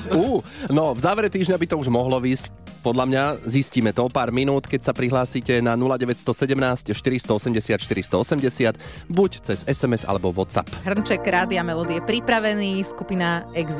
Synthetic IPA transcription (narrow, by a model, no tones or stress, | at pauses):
uːnɔvzaːʋɛɾɛt̪iːʒɲabit̪ɔuʒmɔɦlɔʋiːsc | pɔd̪lʎamɲazisciːmɛt̪ɔɔpaːɾminuːt̪kɛcsapɾiɦlaːsiːcɛnanulaɟɛʋɛcst̪ɔsɛɟɛmnaːscʃt̪iɾist̪ɔɔsɛmɟɛsɪat̪ʃt̪iɾist̪ɔɔsɛmɟɛsɪat̪ | buct͡sɛzɛsɛmɛza̰lɛbɔʋɔt̪sa̰pɦr̩nt͡ʃɛkɾaːd̪iamɛlɔd̪iɛpɾipɾaʋɛniːskupinaɛɡz